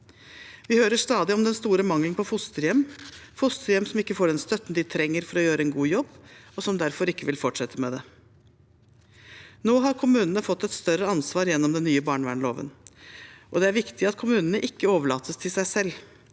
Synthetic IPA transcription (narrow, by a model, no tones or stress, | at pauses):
ʋɪhøːɾəʂt̪ɑːd̪ɪɔmd̪ɛnst̪uːɾəmɑŋlənpʰɔfʊst̪əɾjɛmːfʊst̪əɾjɛmsɔmɪkːəfoːɖɛnst̪œt̪ːn̩d̪ɪt̪ʰɾɛŋːəɾfɔɾɔjøːɾəɛnɡuːjɔbːɔsɔmd̪æɾfɔɾɪkːəʋɪlfɔʈʂɛt̪ʰːəmɛd̪ɛ | noːɦɑɾkʰʊmʉːnənəfɔt̪ːɛt̪st̪œɾəɑnsʋɑːɾjɛnːɔmd̪ɛnːyːəbɑːɳʋæ̰ːɳɭo̰ːʋə̰n | ʔɔd̪ɛæɾʋɪkt̪ɪɑt̪kʰʊmʉːnənəʔɪkːəoːʋəɭɑːt̪ʰəst̪ʰɪlsæɪsɛlː